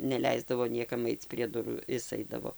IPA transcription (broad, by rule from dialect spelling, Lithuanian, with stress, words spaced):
nʲɛˈlʲɛɪzdɐʋoː ˈnʲiɛkɐm ˈɐɪt͡s pʲrʲiɛ ˈdʊruː ˈɪs ˈɐɪdɐʋoː